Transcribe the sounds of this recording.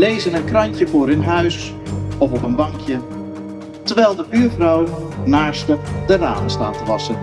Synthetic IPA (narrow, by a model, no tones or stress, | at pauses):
lejzənənkrɑɲcəvʊːɾɪnɦœɥs | ɔfɔpənbɑŋkʰjə | təɹʋɛjlˠdəbyːɹvrɑwnaːɹstədəra̰ːnəsta̰ːtəʋɑsən